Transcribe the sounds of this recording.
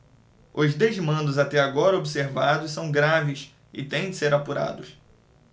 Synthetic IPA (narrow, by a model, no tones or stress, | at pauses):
ʊzd̪ezmɐ̃nd̪ʊzat̪ɛaɡɔɾɐobiseɾvad̪ʊssɐ̃w̃ɡɾavɪs | ɪ̰t̪ẽj̃d͡ʒɪseɾapuɾa̰d̪ʊs